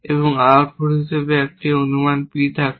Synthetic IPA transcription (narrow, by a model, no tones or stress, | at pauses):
eβɔŋaɾpoɾɦiʃebeɛk̚ʈionumanpit̪ʰak